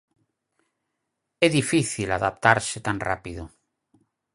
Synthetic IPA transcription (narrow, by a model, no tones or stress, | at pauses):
ɛðifiθilaðap̚t̪aɾset̪anra̰piðo